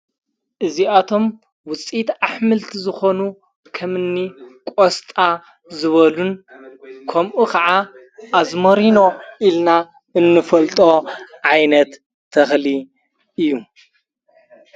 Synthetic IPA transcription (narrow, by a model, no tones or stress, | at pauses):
ʔɨziat̪ʰo̞m | wʊt͡sʼit̪aħmɨlt̪ʰizɨxo̞nu | kʰɐmɨnːikʼost̪ʼa | zɨβɐlun | kʰɐmʔukʰɐʕa | ʔːzmɐɾino̞ʔilna | ɨnːɨfɐlt̪ʼo̞ʕajnɐt̪ʰː | ɐxli | ɨjːu